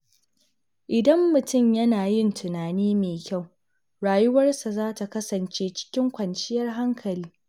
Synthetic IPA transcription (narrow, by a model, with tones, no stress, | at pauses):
ʔɪ˨dɐ˦mːʊ˨tʊ˦˨mjɐ˦naː˨jɪ˦ntʰʊ˨naː˨niː˦meː˨kʲa˦˨w | ɽaː˨jʊ˦wɐ˦rsa˨zaː˦ta˨kɐ˦sɐ˨nt͡ʃeː˦t͡ʃɪ̥˦kʲɪ˦ŋkʷɐ˨nt͡ʃɪ˦jɐ˦rɦa˦ŋkʰɐ˨liː˦